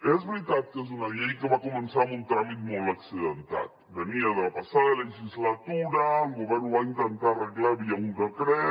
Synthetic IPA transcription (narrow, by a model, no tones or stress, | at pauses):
ezβɾit̪at̪̚kezunaʎejkeβakumənsamunt̪ɾamit̪̚molaksiðant̪a̰t̪̚beniaðelapasaðaleiʃizlat̪uɾaɡoβɛɾnuajɲd̪ant̪areɣlaβiauŋkakɾe